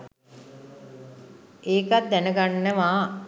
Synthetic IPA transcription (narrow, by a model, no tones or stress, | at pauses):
ʔeːkat̪̚d̪ænəɡanːəʋaː